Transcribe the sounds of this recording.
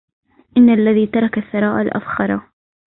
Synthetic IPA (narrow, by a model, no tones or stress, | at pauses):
ʔɪnːalːaðiːt̪ɑɾˤɑkaθːɑɾˤɑːʔalʔa̰fxɑɾˤɑ